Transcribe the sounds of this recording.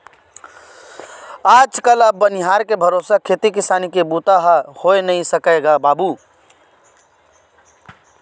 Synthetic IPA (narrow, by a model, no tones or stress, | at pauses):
aːd͡ʒkələbːənɪɦaɾkebʱəɾoːsakʰeːt̪ikɪsanikebut̪aɦhoenəisəkəɡabaːbu